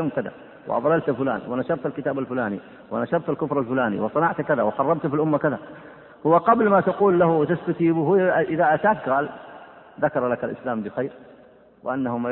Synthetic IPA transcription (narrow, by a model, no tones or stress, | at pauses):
aːmkaða̰ | wɪ̰ʔɑ̰ðˤɑlalt̪afʊla̰ːnwɪnaʃɑɾˤt̪alkɪt̪aːbalfʊlaːnḭ | wɪnaʃɑɾˤt̪alkʊfɾˤalfʊlaːnḭwɪsˤɨnɑʕt̪kaðawɪqɑrˤːɑbt̪filʔʊmːakɪða | hʊwːaqɑblmaːt̪aquːlːahwɪt̪ast̪at̪iːbhʊʔɪðaʔat̪aːt̪ɣaːl | ðakɑɾˤlakalʔɪ̰slaːmbɪxajɾ | wɪʔanːahʊma